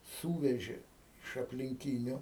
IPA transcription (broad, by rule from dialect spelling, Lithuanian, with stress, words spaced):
ˈsuːʋʲɛʒʲeː ɪʃ ɐpʲlʲɪŋʲˈkʲiːnʲʊ